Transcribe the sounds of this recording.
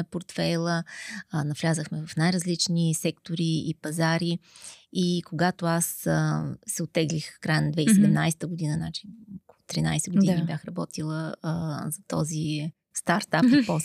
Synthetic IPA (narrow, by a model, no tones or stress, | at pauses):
poɾt̪fɛjlˠənɐflʲazəxmɛvɐfnajɾəzlit͡ʃnisɛkt̪oɾiipɐzaɾiikoɡat̪oas | sɛot̪ːɛɡlixkɾajənɐd̪vɛisɛd̪ɛmnajsɛ̥t̪əɡʊd̪inənat͡ʃi̥okolˠʊt̪ɾina̰jsɛɡʊdd̪innibjaxɾɐbɔt̪ilˠəzɐt̪ɔzi | st̪aɾt̪apipɔs